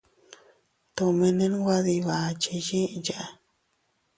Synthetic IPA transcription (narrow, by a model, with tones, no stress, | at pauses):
t̪o˧me˧ne˦n˦ɡʷa˦ði˧βa˨t͡ʃi˧d͡ʒĩ˦d͡ʒa˧